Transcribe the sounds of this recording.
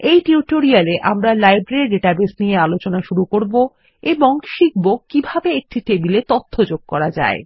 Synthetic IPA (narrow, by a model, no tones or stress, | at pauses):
ejʈiuʈoɾialeʔa̰mɾalajbɾeɾiɖeʈabesnijealot͡ɕonaʃuɾukoɾbo | eboŋʃik̚bokkːibʱabeek̚ʈiʈebilet̪ot̪ʰːod͡ʑoɡ̚kɔɾad͡ʑa̰e